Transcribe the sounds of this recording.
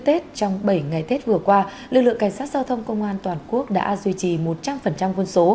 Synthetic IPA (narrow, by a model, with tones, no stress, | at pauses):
t̪e˦˥t̚t͡ɕɔ˧wŋ͡mɓə˧˩jŋa˨˩jt̪ʰe˦˥t̚vɨ˨˩əkwaː˧lɨ˨˩˨k̚lɨ̰˧˨ə˨ŋka˧˩jŋ̟saː˦˥t̚z̥aː˧wt̪ʰə˧wŋ͡mkə˧wŋ͡mʔaː˧nt̪waː˨˩nku˦˥ək̚ɗa̰ː˧˥zwi˧t͡ɕi˨˩mo˨˩t̚t͡ɕa˧mfə˨˩nt͡ɕa˧mkwə˧nso˨˦